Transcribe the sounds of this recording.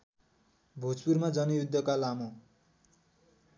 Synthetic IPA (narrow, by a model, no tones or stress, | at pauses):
bʱod͡zpurmad͡zʌnʌjud̪ʱːʌkalamʌ